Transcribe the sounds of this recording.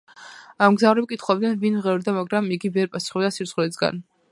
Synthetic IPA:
amɡzavɾɛb̚kʼit̪ʰχwɔb̚d̪ɛnvinmʁɛɾd̪amaɡɾamiɡivɛɾpʼasu̥χɛbd̪asiɾsχlɛsɡa̰n

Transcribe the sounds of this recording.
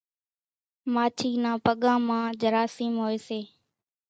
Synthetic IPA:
maːt͡ʃʰiːnãːpəɠãːmãːd͡ʒəɾaːsiːmɦoːeːseː

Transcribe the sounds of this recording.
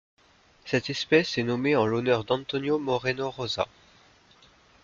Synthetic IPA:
sɛt̪ɛspɛsɛnomeɑ̃lonœʁd̪ɑ̃t̪ɔnjomɔʁenoʁoza̰

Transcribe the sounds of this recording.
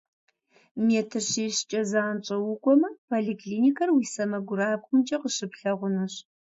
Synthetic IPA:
meːtʰɨrɕiːɕt͡ʃʼɐzaːnt͡ʃʼɐwʊkʷʼɔmɐpʰoːɮiːkʰliːnikʰɐrwiːsɐmɐɡʷʊɾaːbxʷʊmd͡ʒʼɐqəɕɨpɬɐʁʷʊnɨɕ

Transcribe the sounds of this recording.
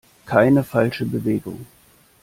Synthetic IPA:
kʰaɪnəfalʃəbəveːɡʊ̰ŋ

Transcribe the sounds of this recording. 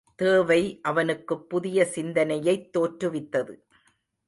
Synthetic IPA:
t̪eːʋɐɪʔɐʋɐnɯkːɯpːʊðɪjɐsɪnd̪ɐnɐjɐɪt̪ːoːʈɾɯʋɪt̪ːɐðɯ

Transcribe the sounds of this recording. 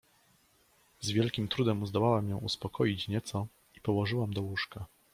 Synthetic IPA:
zvʲjɛlkʲimt̪ɾud̪ɛmuzd̪ɔwawamjɛ̃w̃uspɔkʰɔjit͡ɕɲɛt̪sɔ | ipɔwɔʐɘwamd̪ɔwuʂka

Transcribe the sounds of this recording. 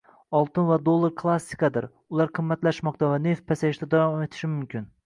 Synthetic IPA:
ɒlˠt̪ɪnvad̪olˠːaɾkʰlˠasːikɑd̪ɪɾ | ʊlˠaɾqʰɨmːat̪laʃmɒq̚t̪ʰavane̞fpʰasaɪʃt̪ad̪avɑme̞t̪ʰɪ̥ʃɪmʊmkʲɪn

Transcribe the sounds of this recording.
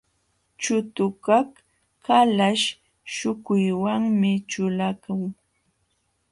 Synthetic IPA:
t͡ʃʊt̪ʊkak | kalaʃ | ʃʊkʊjwaŋmɪt͡ʃʊlakʊŋ

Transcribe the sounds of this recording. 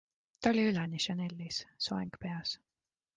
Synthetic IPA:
t̪ɑolʲiylɛniʃɑne̞lʲːissoeŋɡ̥pe̞ɑs

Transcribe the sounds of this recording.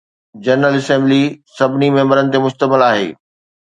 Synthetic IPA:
d͡ʑɐɾnəlɪsɛ̃ːmblisɐbʱɪnimɛɦːmbəɾənɪ̆t̪emʊʃt̪əmɪlaːɦḛː

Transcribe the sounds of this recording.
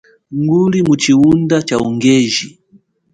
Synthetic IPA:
ŋɡulimut͡ʃiundat͡ʃauŋɡɛʒi

